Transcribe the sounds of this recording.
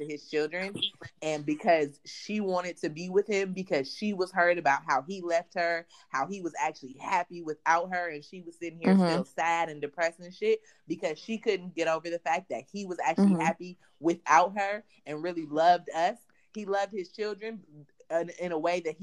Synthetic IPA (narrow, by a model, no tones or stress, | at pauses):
tʰɨɨz̥t͡ʃʰɪlˠdɹɨ̃nɨ̃nbɨkʰʌz̥ʃiwɑ̃ɾ̃ɨd̚tʰɨbiwɪð̥ɪ̃mbɨkʰʌz̥ʃiwʌz̥hɜ˞ɾɨbaʊt̚ɦaʊilɛft̚hə˞ | haʊiwʌzæk̚t͡ʃʉl̩ˠihæpiwɪθaʊt̚ɦə˞ɨ̃nʃiwʌz̥sɪɾɪ̃ŋhiɹsɪlˠsæɾɨ̃ndɨpʰɹ̥ɛsɨ̃nʃɪt̚ | b̥ɨkʰʌz̥ʃikʰʊdⁿn̩ɡ̥ɛɾoʊvə˞ðɨfæk̚ðɨt̚hiwʌzæk̚t͡ʃʉl̩ˠihæpi | wɪθaʊt̚ɦə˞ | ɨ̃nɹɪlˠilʌvdʌs | hilʌvd̚hɨz̥t͡ʃʰɪlˠdɹɨ̃n | ɪ̃nəweɪðɨt̚h